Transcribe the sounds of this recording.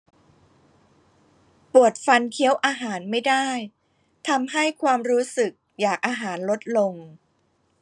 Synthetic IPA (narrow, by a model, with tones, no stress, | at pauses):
pu˨˩ət̪̚fa˧nkʰi˦˥əwʔaː˧ɦaː˩˦nma˥˩jda˥˩j | t̪ʰa˧mɦa˥˩jkʰwaː˧mɾuː˦˥sɯ˨˩k̚jaː˨˩k̚ʔaː˧ɦaː˩˦nlo˦˥t̪̚lo˧ŋ